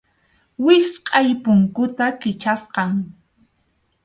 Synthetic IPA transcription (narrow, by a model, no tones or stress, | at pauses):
wɪsqʼɑjpʊŋkʊt̪akɪt͡ʃasqɑŋ